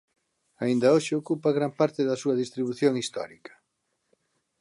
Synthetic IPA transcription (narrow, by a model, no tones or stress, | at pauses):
aind̪ɐoʃɪokupɐɣɾampaɾt̪ɪðɐsuɐðist̪ɾiβuθjoŋist̪ɔ̰ɾikɐ̥